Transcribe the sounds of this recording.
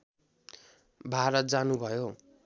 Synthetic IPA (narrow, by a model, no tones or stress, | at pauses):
bʱaɾʌt̪̚d͡zanubʱʌjo